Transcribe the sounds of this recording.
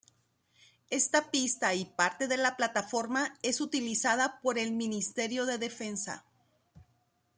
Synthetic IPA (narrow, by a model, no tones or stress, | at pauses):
e̞st̪apist̪aipaɾt̪e̞ðe̞laplat̪afo̞ɾmae̞sut̪ilisaðapo̞ɾe̞lmĩnist̪e̞ɾjo̞ðe̞ðe̞fe̞nsa̰